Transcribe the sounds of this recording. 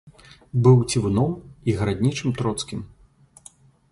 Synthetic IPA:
bɨwt͡sʲivunɔmiɣɾad̪ʲnʲit͡ʂɨmt̪ɾɔt̪skʲim

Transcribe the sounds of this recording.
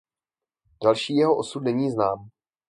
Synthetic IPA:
d̥alʃiːjɛɦoʔosutnɛɲiːznaːm

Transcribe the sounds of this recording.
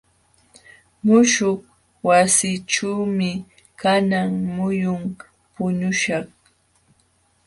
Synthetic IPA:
mʊʃoχ | wasiːʈ͡ʂuːmɪ | kanaŋmʊjʊm | pʊɲʊʃɑχ

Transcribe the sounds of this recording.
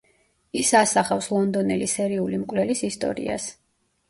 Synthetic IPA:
isasaχafslˠɔnd̪ɔnɛlisɛɾiulimkʼlɛlisist̪ʼɔ̰ɾḭa̰s

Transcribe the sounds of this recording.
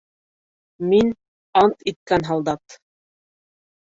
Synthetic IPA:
min | ɑnt̪it̪̚kænɦɑlˠd̪ɑt̪

